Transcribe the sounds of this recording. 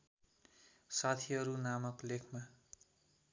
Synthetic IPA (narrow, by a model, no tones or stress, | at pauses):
sat̪ʰiʌɾunamʌklekʰma